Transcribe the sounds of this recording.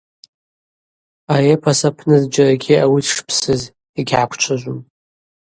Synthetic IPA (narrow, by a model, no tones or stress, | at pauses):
ajepʰasapʰnɨzd͡ʒaɾaɡʲiawitʰʂpʰsɨz | iɡʲʕakʷʰt͡ʃʷʰaʒʷum